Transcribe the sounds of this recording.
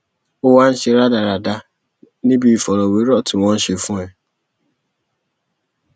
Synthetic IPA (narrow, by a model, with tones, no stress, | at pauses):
o˦wa˦n̩˦ʃe˧ɾa˦da˨ɾa˨da˧ | nĩ˦bi˦i˨fɔ˨ɾɔ˨we˨˦ɾɔ˦˨tĩ˨w̃ɔ̃˦n̩˦ʃe˧fũ˦ɛ˨